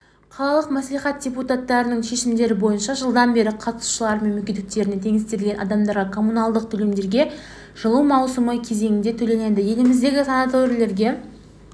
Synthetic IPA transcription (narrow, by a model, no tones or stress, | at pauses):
qʰɑlˠɑlˠəqmæsliχɑt̪̚d̥ʲe̞put̪at̪ːɑɾənəɴʃe̞ʃɪmd̪e̞ɾɪbo̞jənʃɑʒəlˠd̪ɑnbe̞ɾɪqʰɑt̪ə̥su̥ʃəlˠɑɾmenmekʲet̪ɪk̚t̪e̞ɾɪne̞t̪ʰe̞ŋɪst̪eɾlʲɡʲenɑ̰d̪ɑmd̪ɑɾʁɑkʰo̞munɑlˠd̪əq̚t̪ʰɵle̞md̪e̞ɾɡʲe̞ | ʒ̥əlˠuwmɑwsəməkʲʰe̞ze̞ŋɪnd̪e̞t̪ʰɵle̞ned̪əje̞lɪmɪzd̪e̞ɡʲɪsanat̪oɾilˠe̞ɾɡʲe̞